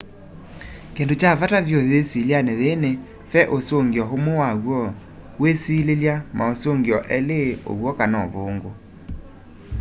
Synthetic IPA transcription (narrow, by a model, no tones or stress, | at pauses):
kendot͡ʃavatavjoðesileanɛðene | fɛʔosoŋɡiɔɦomowaɣwɔ | wesileljamʔaosoŋɡiɔʔɛleo̰βwɔkanɔβoːŋɡo